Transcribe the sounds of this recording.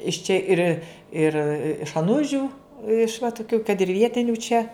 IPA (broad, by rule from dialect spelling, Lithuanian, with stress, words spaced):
ɪʃ ˈt͡ʃʲɛ ˈɪrʲ ɪr ɪʃ ɐˈnʊʒʲʊ ɪʃ ʋɐ tʊˈkʲuː kɐt ɪr ˈʋʲiɛtʲɪnʲuː t͡ʃʲɛ